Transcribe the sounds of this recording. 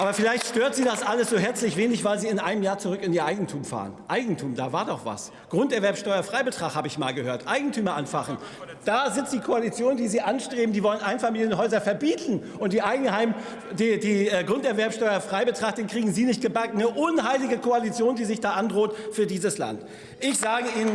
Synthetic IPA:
ʔaːbɐfɪlaɪçtʃtøːɐtz̥iːdasʔaləsz̥oːɦɛɐt͡slɪçv̥eːnlɪçv̥aɪlziːɪnʔaɪnəmjaːɐt͡suʁʏkɪniːɐʔaɪɡŋ̩tʰuːmfa̰ːʁə̰nʔaɪɡŋ̩tʰuːmdaːvaːɐdɔχv̥a̰s | ɡ̥ʁʊntɛɐvɛɐpsʃtɔʏɐfʁ̥aɪbətʁ̥aːχthaːbəɪçma̰ːlɡəhøːɐtʔaɪɡŋ̩tʰyːmɐʔanfaχn̩ | d̥aːzɪt͡std̥iːkʰoalit͡sjoːndiːziːʔanʃtʁ̥eːbm̩diːvɔlənʔaɪnfamiːljənɦɔʏzɐfɛɐbiːtʰn̩ | ʔʊntd̥iːʔaɪɡŋ̩haɪm | ddiːɛɡʁʊntɛɐvɛɐpsʃtɔʏɐfʁ̥aɪbətʁ̥aχtd̥eːnkʁ̥iːɡŋ̩ziːnɪçt̚ɡ̥əbakŋ̩nəʔʊnɦaɪlɪɡəkʰoalit͡sjoːndiːzɪçd̥aːʔandʁoːtfyːɐdiːzəsla̰nt | ʔɪçz̥aːɡəiːnən

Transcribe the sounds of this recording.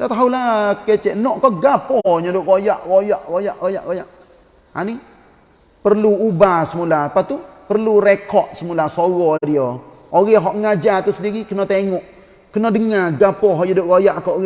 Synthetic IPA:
dat̪aɦulaket͡ʃɛʔnɔʔkɔɡapɔɲɔdʊʔɡojaʔɣojaʔɡojaʔoja̰ʔɡojaʔ | a̰ni | pərluubahsəmulapat̪upərluɾekɔt̪̚səmulasoɣɔdio | oɣɛɦɔʔŋad͡ʒat̪usədiɾikənɔt̪eŋɔʔ | kənɔdəŋaɡapɔɦɔɲɔdʊʔɡojaʔkɔʔɣ

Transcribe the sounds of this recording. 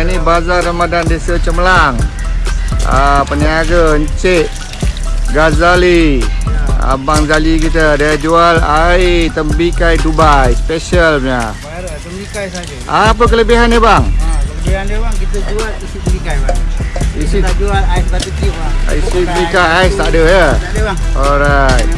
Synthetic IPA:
nibazarəmadandesət͡ʃəməlaŋ | əpəniaɡəɲt͡ʃeʔ | ɡazali | ə̰baŋzalikit̪ədad͡ʒualajt̪əmbikajdubajspesiəlpɲa | ik | ʔaːp̬ək̬ələbiɦanəbaŋkələianbaŋkit̪əd͡ʒualisit̪bikajbaŋisiad͡ʒualajskat̪ikia̰isiəbikajaist̪aʔdəjə | oɾajt̪̚

